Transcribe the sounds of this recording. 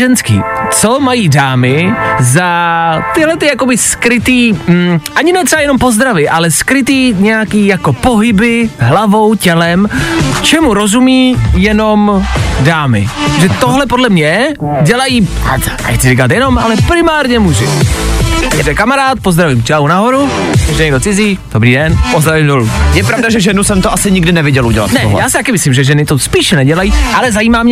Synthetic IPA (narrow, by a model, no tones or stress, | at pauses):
ɛnskḭːt͡somajiːdaːmɪzat̪ɪɦlɛt̪ɪjako̞bɪskɾɪt̪iːm̩ʔaɲɪnɛt̪rɛajɛno̞mpo̞zd̪ɾavɪʔalɛskɾɪt̪̬iːɲɛjakiːjako̞po̞ɦɪbɪɦlavo̞wcɛlɛmt͡ʃɛmuɾo̞zumiːjɛno̞mdaːmɪ̰ʒɛt̪oɦlɛpodlɛmɲɛ | ɟɛlajiː | a̰ɛ̰xkt͡sɪɾɪkat̪̬jɛno̞mʔalɛpɾɪmaːɾɲɛmuːʒɪ̰ | ɛbɛkamaɾaːt̪̚pozd̪ɾavimt͡ʃɛaonaɦoɾu | jɛʒɛɲɛɡdo̞t͡sɪziːd̥obɾiːdɛnpozd̪ɾavimdolujɛpɾavdaʒɛʒɛnusɛmt̪oʔasɪɲɪɡdɪnɛvɪɟɛlʔuɟɛla̰t̪nɛo̰ɦlɛjaːsɪt̪akɛmɪslimʒɛʒɛnɪt̪ospiːʃnɛɟɛlajiːʔalɛzajiːmaːmɲɛ